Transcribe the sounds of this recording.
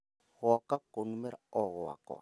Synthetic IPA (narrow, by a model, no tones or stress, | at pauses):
ɣɔkakonumɛɾa̰ɔɣɔwa̰kɔ̰a